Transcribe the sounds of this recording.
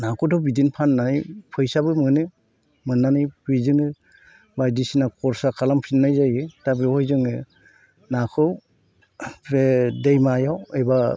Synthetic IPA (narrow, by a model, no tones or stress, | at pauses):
nakʰɯdɔbidinpʰanːanɯjpʰɯjsabɯmɯnɯ | mɯnːanɯjpʰɯzɯŋɯ | bajdisinakʰɔɾsakʰalampʰinːajzajɯtabehɔjzɯŋɯ | nakʰɯw | pʰedejmajawejba